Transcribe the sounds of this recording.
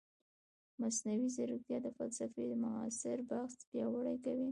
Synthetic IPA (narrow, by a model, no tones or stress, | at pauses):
masnawizaɾut̪jɑd̪əfalsafed̪əmʊɑ̰sɪɾbaɣsbjɑwaɽajkawi